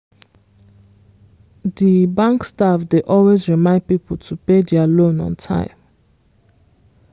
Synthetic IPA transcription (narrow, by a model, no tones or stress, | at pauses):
dibãŋkstafdeʔɔlwezɹimãɪ̃nd̚pipɔl̩tʰupedɛalõnɔ̰̃ntʰã̰ɪ̃m